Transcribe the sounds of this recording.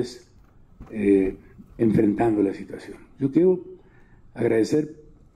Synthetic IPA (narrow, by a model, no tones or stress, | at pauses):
es | e | eɱfɾent̪and̪olasit̪wasjonʒokjeɾo | aɣɾaðeseɾ